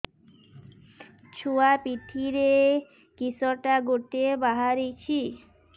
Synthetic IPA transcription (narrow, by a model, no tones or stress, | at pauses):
t͡ɕʰuapit̪ʰiɾe | kisɔʈaɡoɾt̪ebaɦaɾit͡ɕʰi